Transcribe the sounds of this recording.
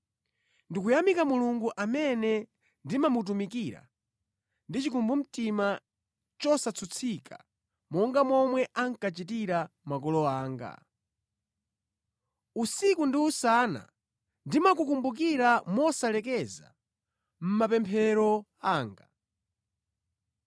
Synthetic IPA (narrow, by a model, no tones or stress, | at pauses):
ndikujamikamuluŋɡuʔamɛnɛ | ndimamut̬umikiɾa̰ | ndit͡ʃikumbum̩tima | t͡ʃɔsat͡sʰut͡sʰikʰa̰ | mɔŋɡamɔmwɛʔaŋkat͡ʃit̬iɾamak̬ɔlɔaːŋɡa̰ | usikundiusana̰ | ndimakukumbuk̬iɾamɔsalɛk̬ɛza̰ | m̩mapɛmpʰɛɾɔ | aːŋɡa